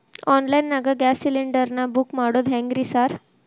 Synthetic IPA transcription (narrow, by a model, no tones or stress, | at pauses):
ɔnlainːaɡaɡæsiliɳɖəɾnabukmaɽod̪ɦɛ̃ŋɡɾisaɾ